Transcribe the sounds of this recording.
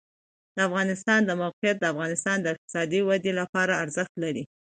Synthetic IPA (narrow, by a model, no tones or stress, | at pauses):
d̪̥əafɣɑnɪst̪ɑnd̪əmawqijat̪̚d̪əafɣɑnɪst̪ɑnd̪əɪq̚t̪ɪ̥sɑd̪iwad̪elapɑɾaːɾzəxt̪laɾi